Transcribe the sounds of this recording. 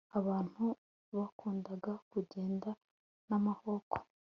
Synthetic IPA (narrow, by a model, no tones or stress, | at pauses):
aβaːn̥hu | βakʰuːndaɡakuɟe̞ːnda | namaho̞ko